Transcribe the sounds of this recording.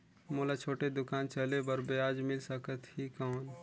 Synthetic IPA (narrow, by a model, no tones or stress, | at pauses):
moːlat͡ʃʰoːʈed̪ʊkaːnt͡ʃəlebəɾbeaːd͡ʒmɪlsəkət̪hikɔːn